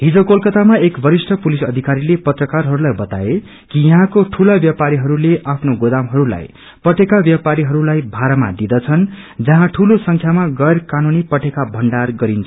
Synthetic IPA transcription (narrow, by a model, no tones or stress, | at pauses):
ɦid͡zokolkʌt̪amaekbʌɾisʈʰʌpulisʌd̪ʱikaɾilepʌt̪rʌkarɦʌɾulajbʌt̪a̰e | kijʌɦãkoʈʰulabjapaɾiɦʌɾuleʔapʰnoɡod̪amɦʌɾula̰j | pʌʈekabjapaɾiɦʌɾulajbʱaɾʌma̰d̪id̪ʌt͡sʰʌn | d͡zʌɦãʈʰulosʌŋkʰjamaɡʌjrkanunipʌʈʰekabʱʌɳɖarɡʌɾint͡sʰʌ